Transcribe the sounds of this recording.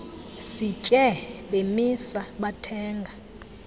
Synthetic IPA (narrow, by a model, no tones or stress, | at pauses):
sit͡ʃʼɛɓemisaɓatʰɛːŋɡʱa